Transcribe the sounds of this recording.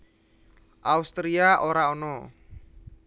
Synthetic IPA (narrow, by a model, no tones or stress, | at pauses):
ʔaust̪ɾiaʔoɾaonɔ